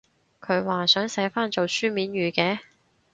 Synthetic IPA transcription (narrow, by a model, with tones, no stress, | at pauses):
kʰɵ˨˧ɥwaː˨sœː˨˥ŋsɐ˨˥faː˥nt͡so˨wsyː˥miː˨˥nɥyː˨kɛː˧˥